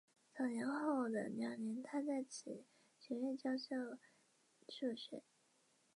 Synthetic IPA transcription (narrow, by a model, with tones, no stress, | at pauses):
t͡sɑ˨˩jɛ˧˥nxo˥˩ʊd̪ə̰˩njɑ˨˩njɛ˧˥nt̪ʰa˥t͡sa˥˩ɪt͡ɕʰi˨˩ | ɕɥɛ˧˥ɥɛ˥˩nt͡ɕjɑ˥ʊɕjɑ˥˩ʊ | t͡ɕʰu˥˩ɕɥɛ̰˨˩˥